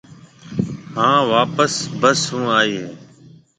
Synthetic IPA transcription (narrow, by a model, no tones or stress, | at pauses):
ɦãːʋaːpəsbəsɦũːaːiːeː